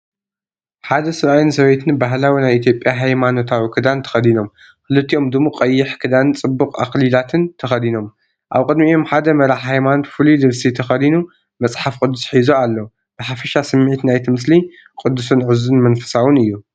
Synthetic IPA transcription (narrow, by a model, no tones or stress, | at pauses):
ħad̪ɐsɨɾajinsɐβet̪ʰɨnbaɦlawinajʔit̪ʰjo̞pʼːjaɦajmano̞t̪ʰawikʰɨd̪ant̪ʰɐ̥xɐd̪ino̞m | kɨlɨt̪ːiʔo̞md̪ɨmːoqʼɐjːɪħkʰɨd̪ant͡sʼɨbːukʼaxlilat̪ʰɨnt̪ʰɐxɐd̪ino̞m | ʔa̰βkʼɨd̪miomħad̪ɐmɐɾaħhajmanot̪fɨlid̪ɨβsit̪ʰɐxɐd̪inu | mɐt͡sʼħafkʼɨd̪ːusħizoalːo | bɨħafɐʃasɨmːʕit̪najt̪ʰimɨsli | kʼɨd̪ːusunʕɨzunmɐnfɐ̥sawɨnɨjːu